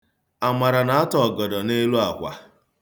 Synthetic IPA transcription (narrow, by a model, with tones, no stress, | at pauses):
a˨ma˨ɾa˨na˨a˦tɔ˨ɡɔ˨dɔ˨ne˦lu˦a˨kʷa̰˨